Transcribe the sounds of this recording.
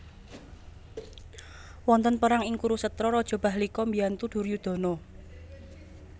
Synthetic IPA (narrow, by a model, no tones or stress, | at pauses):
wɔnt̪ənpəɾaŋɪŋkuɾusət̪ɾɔɾɔd̥ʒ̥ɔ̤b̥a̤hlikɔmbiant̪ud̪̥urjud̪̥ɔ̤nɔ